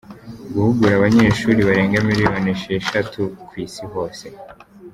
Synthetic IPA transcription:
ɡuhuɡuɾaβaɲe̞ːʃuːɾiβaɾe̞ːŋɡamiɾimoneʃeeʃatʰukwiːsiho̞ːse̞

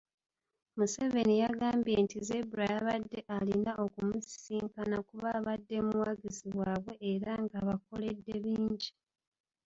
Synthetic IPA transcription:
muse̞ve̞nijaɡaːmbje̞ntize̞buɾajaβadːe̞ʔalinaʔo̞kumusiːŋkanakuβaːβadːe̞muwaɡiziβwaːβwe̞ːɾaŋɡaβako̞le̞dːe̞βiːɲɟi

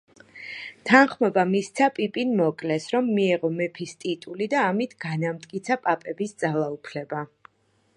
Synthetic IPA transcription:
t̪ʰanχmɔbamist̪sʰapʼipʼinmɔkʼlɛsɾɔmːiɛʁɔmɛpʰist̪ʼit̪ʼulid̪aːmit̪ʰɡ̥anamt̪ʼkʼit̪sʰapʼapʼɛbisd̪zalˠaupʰlɛba

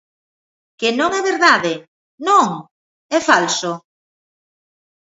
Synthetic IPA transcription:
kɪnõŋɛβeɾðaðɪ | nõŋ | ɛfalso

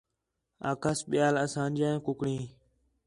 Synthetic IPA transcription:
a̰ːkəsɓɪjaːləsãːnd͡ʒãːkʊkɽĩː

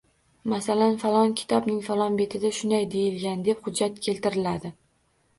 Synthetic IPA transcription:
masalanfalˠɒnkʲʰɪ̥t̪ʰɒbnɪŋfalˠɒnbe̞t̪ʰɪd̪aʃʊnd̪ajd̪e̞jɪlɡʲand̪e̞phʊd͡ʒːat̪kʲʰe̞lt̪ɪɾɪlad̪ɪ

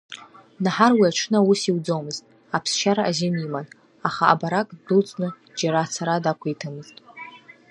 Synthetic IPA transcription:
naħarwiaʈ͡ʂʷʰnausiwd͡zomɨztʼ | apʰst͡ʃʰaɾaʔazɪmiman | aχa̰ːbaɾakʼdɨlt͡sʼnɨ | d͡ʒaɾat͡sʰaɾadakʷʰaitʰamɨztʼ

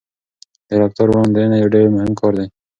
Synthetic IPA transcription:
d̪eɾaːk̚t̪əɾwõːnd̪enajoɖeɾemʊɦɪmkʰɔːɾd̪e

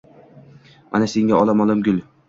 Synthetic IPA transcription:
a̰naseŋʲaɒlˠamɒlˠamɡʲʊlʲ

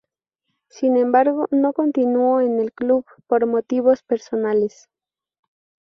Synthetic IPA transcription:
sinẽ̞mbaɾɣo̞no̞ko̞nt̪inuoene̞lkluβ | po̞ɾmo̞t̪iβ̞o̞spe̞ɾso̞nales

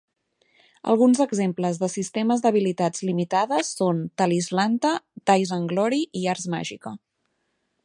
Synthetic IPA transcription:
ə̰lˠɣunzəɡzempləzðəsist̪ɛməzd̪əβ̞ilit̪ad͡zlimit̪aðəsːont̪alizlant̪ət̪ajzəŋɡlɔɾiʔiaɾzma̰ʒikə

